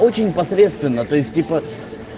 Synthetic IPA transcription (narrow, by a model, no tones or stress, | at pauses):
o̞t͡ɕɪnʲpɐsɾʲe̞t̪st̪vʲɪnːət̪o̞ɪsʲt̚ʲtʲipə